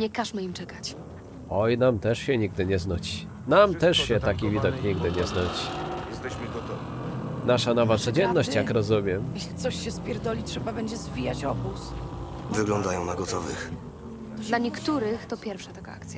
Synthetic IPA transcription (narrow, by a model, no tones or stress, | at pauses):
ɲɛkaʂmɘimt͡ʂɛkat͡ɕ | ɔjnamt̪ɛʂɕɛɲiɡ̚d̪ɘɲɛznut͡ɕi | namt̪ɛʂɕɛt̪akʲivʲid̪ɔkɲiɡd̪ɘɲɛznut͡ɕi̥jɛst̪ɛɕmɘɡɔt̪ɔvʲi | naʂanɔvat̪sɔd͡ʑɛnːɔɕt͡ɕjakɾɔzumʲjɛmjɛɕlʲit̪sɔɕɕɛspʲjɛɾd̪ɔlʲitʂɛbabɛɲd͡ʑɛzvʲijat͡ɕɔbus | vɘɡlɔnd̪ajɔ̃w̃naɡɔt̪ɔvɘ̰x | laɲɛkt̪uɾɘxt̪ɔpʲjɛɾfʂat̪aɡa̰a̰kt̪sʲja